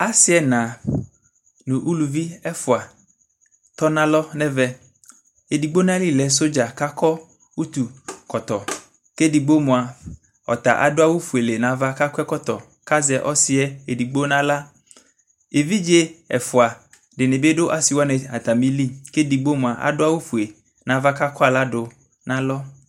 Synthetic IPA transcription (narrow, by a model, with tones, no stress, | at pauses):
a˦sɪ˦ɛ˦nã˨ | nũ˨ʔu˦lu˨vi˦ɛ˦fʊ˨a˨ | t̪ɔ˦nã˦lɔ˦nɛ̃˦vɛ˦˨ | e˨di˨ɡ͡bo˦nã˦li˦lɛ˨s̬o˦d͡ʒa˨ka˦kɔ˦ | u˦t̪u˨kɔ˨t̪ɔ˨ | ke˦di˨ɡ͡bo˦mũ˨a˨ | ɔ̰˨t̪a̰˨ʔa̰˨dʊ˦a˦wu˦fu˨e˨le˨nã˨va˦ka˦kʷɛ˦kɔ˦t̪ɔ˨ | ka˦zɛ˨ʔɔ˦sɪ˦ɛ˦e˨di˨ɡ͡bo˦nã˦la˦ | e˨vi˦d͡ʒe˦ɛ̰˨fʊ˨a˨ | ɖɪ˨ne˨be˦ɖo˦ʔa˨si˨wɔ˦nɛ˨a̰˨t̪a˨mĩ˦li˦ke˦di˨ɡ͡bo˦mũ˨a˨ʔa̰˨dʊ˦a˦wu˦fu˨e˨ | nã˨va˦ka˦kɔ˦a˨la˦ɖʊ˨ | nã˦lɔ˦